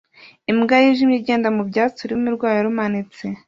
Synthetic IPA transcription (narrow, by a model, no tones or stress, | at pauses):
imɡajiʒimɲiɟe̞ːndamubɟaːt͡suɾimiɾɡwaːɾaɾumanet͡se